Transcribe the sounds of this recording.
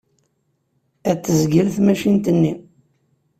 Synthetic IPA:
æt͡sːəzɡəɾθmæʃint̪ənːi

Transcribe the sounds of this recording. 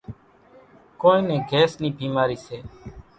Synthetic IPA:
koːnĩːnẽːɡʱeːsnĩːbʱiːmaːɾiːseː

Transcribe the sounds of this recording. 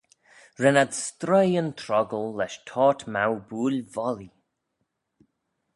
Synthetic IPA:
ɹɛnadst̪ɾɔjənt̪ʰɾɔɡəlːɛʃtʰɔːtmawbuːlvɔli

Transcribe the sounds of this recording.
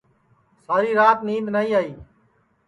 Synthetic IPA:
saːɾiːɾaːt̪niːbnaːiːaːiː

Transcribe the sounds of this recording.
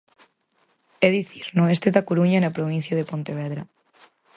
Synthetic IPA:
ɛðiθiɾnʊest̪eðɐkoɾuɲɐnɐpɾoβ̞in̟θjɐðepont̪eβɛðɾɐ

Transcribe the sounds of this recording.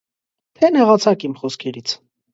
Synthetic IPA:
t̪ʰɛnɛʁɑt͡sʰɑkimχɔskʰɛɾit͡sʰ

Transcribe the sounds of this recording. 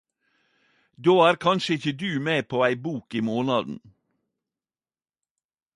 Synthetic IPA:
d̪oːæːɾkʰɑnʃəɪçəd̪ʉːmeːpʰoːæɪbuːkiːmoːnɑd̪n̩

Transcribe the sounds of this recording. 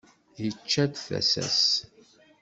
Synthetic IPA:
jət͡ʃːæd̪θæ̰sæ̰s

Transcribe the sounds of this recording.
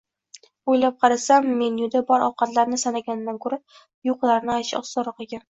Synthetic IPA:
ojlap̚qʰɑɾasamːe̞njud̪abɒɾʔɒwqɑt̪laɾnɪsanaɡʲanɪnːankʰɵɾap | joqlˠaɾnɪajʃɪɒsːɒɾɒqeɡʲan

